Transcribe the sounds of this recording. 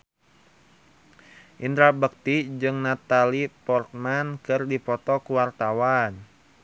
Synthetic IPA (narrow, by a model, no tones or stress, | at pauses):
ʔint̪ɾabək̚t̪id͡ʒɨŋnat̪alipɔrt̪̚mankɨrdipɔt̪ɔkuwart̪awan